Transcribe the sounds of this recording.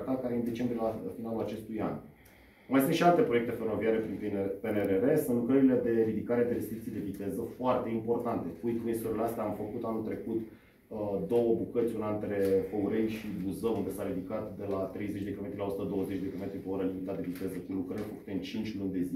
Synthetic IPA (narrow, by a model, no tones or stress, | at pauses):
t̪at̪̚kaɾeɨnd̪e̞t͡ʃe̞mbɾielafinalulat͡ʃe̞st̪uja̰n | majsɨnt̪ʃialt̪e̞pɾoe̞k̚t̪e̞fe̞ro̞viaɾe̞pɾinpeneɾeɾe̞sɨnt̪lukɾəɾile̞d̪e̞ɾid̪ikaɾe̞d̪eɾe̞st̪ɾikt̪ijd̪e̞vit̪e̞zəfoart̪e̞impo̞rt̪ant̪e̞ujt̪kumesuɾeleast̪eaːmfəkut̪anult̪ɾe̞kut̪ | d̪o̞wəbukət̪sʲunaɨnt̪ɾe̞fəuɾejʃibuzəund̪e̞saɾid̪ikat̪d̪e̞lat̪ɾe̞jze̞t͡ʃʲd̪ekamet̪ɾʲilao̞su̥t̪əd̪o̞wəzet͡ʃʲd̪ekame̞t̪ɾʲipe̞o̞ɾəlimit̪ad̪e̞vit̪e̞zəkulukɾəiɾʲfəku̥t̪e̞ɨnt͡ʃint͡ʃʲlunʲd̪e̞zi